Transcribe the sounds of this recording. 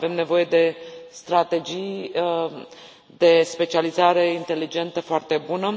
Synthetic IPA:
ve̞mne̞vo̞je̞d̪e̞st̪ɾat̪e̞d͡ʒij | d̪e̞spe̞t͡ʃializaɾe̞int̪e̞lid͡ʒe̞nt̪əfoart̪e̞bunə

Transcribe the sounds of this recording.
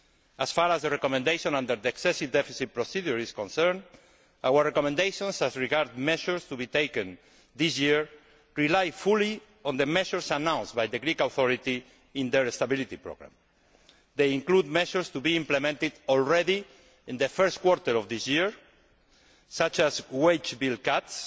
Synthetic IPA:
asfaɾazðərekomẽnd̪ejʃõnãnd̪əɾðieksɛsivd̪ɛfisit̪̚pɾosiðjuɾiskõnsɛɾn | awəɾːekomɛ̃nd̪ejʃõnsazɹiɡaɾd̪mɛʃəɹst̪ubit̪ejkə̃n | d̪isjiɹ | ɹilajfuli | õnd̪əmɛʃəɾsanãw̃nsbajðeɡɾikawθɔɾit̪i | ĩnd̪eɾest̪abilit̪ipɾo̰ɣɾã̰m | d̪ejĩŋklud̪̚mɛʃəɹst̪ubiĩmplemɛ̃nt̪id̪ɔlɹɛði | ĩnd̪əfɛɾst̪kwɔɾt̪alɔvd̪isjiɹ | sat͡ʃazwejt͡ʃbilkat̪s

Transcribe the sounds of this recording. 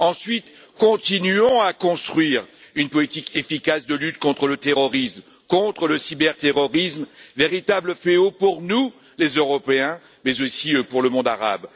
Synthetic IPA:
ɑ̃sɥit̪ | kɔ̃t̪inyɔ̃akɔ̃st̪χɥiʁynpɔlit̪ikefikasd̪əlyt̪kɔ̃t̪χələt̪eʁɔʁism | kɔ̃t̪χələsibɛʁt̪eʁɔʁismveʁit̪abləfeopuʁnu | lezøʁɔpeɛ̃ | mɛzosiøpuʁləmɔ̃d̪aʁa̰b

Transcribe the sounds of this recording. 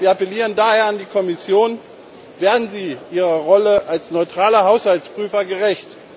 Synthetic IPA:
viːɐapɛliːʁəndaheːɐandiːkʰɔmɪsjoːn | veːɐdn̩ziːʔiːʁɐʁɔləʔalsnɔʏtʁ̥aːlɐɦaʊshaltspʁ̥yːfɐɡəʁɛçt

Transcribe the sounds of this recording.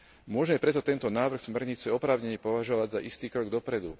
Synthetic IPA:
mʊɔʒmɛpɾɛt̪ɔt̪ɛnt̪ɔnaːʋr̩xsmɛɾɲit͡sɛɔpɾaːʊɲɛɲɛpɔʋaʒɔʋaɟza̰ʔist̪iːkɾɔɡd̪ɔpɾɛd̪u

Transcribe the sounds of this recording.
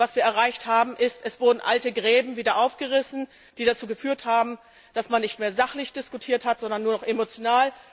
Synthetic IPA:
vasv̥iːɐɛɐʁaɪçthaːbm̩ʔɪstʔɛsv̥ʊɐdn̩ʔa̰ltəɡʁɛːbm̩viːdɐʔaʊfɡ̥əʁɪsn̩ | d̥iːɾat͡suːɡəfyːɐthaːbm̩ | d̥asmanːɪçtmeːɐzaχlɪçd̥ɪskutʰiːɐthatz̥ɔndɐnːuːɐnɔχʔemot͡sjonaːl

